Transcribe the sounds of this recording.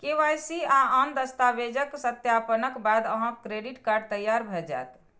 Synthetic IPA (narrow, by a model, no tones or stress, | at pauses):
keʋajsiaamd̪əst̪aʋed͡ʒəksət̪japənəkbad̪əɦãkɾeɖiʈkaɾɖt̪əjːaɾbʱɛd͡ʒa̰et̪